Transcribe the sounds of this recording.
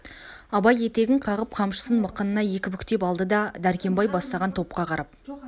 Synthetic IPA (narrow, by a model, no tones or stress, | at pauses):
ɑbɑje̞t̪e̞ɡʲɪŋqʰɑʁəp̚qʰɑmʃə̥sənməqːənənɑje̞kʲɪmʏkʲt̪e̞pɑlˠd̪əd̪ɑd̪æɾkʲe̞mbɑjbɑst̪ɑʁɑnt̪ʰo̞p̚qɑqʰɑɾɑp̚